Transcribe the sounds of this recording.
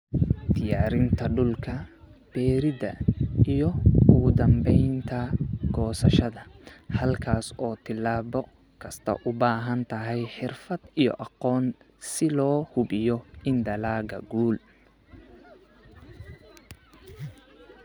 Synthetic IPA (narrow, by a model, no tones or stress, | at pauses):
d̪̥ɪjaːɾɪnt̪ʰɐɖʊlkʰɐb̥ɛːɾɪdɐ̰ijɔʊɣʊd̪ɐmbɛjnt̪ʰɐɡɔːsɐʃɐðɐhɐlkʰaːsɔːt̪ʰɪlaːβɔ | kʰɐst̪ʰɐ̰ʔʊbaːɦɐnt̪ʰɐɦɛjħɪrfɐd̪ijɔ̰ʔɑqɔːn | sɪlɔːhʊbɪjɔɪnd̪ɐlaːɡɐ̰ɡuːl